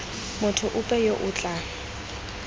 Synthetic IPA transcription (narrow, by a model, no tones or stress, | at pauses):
mʊtʰʊʔʊpʼɛjoʔʊt͡ɬʼa